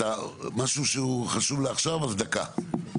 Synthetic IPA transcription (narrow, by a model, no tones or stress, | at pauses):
amaʃuʃeuχaʃuvleaχʃavasd̪aka̰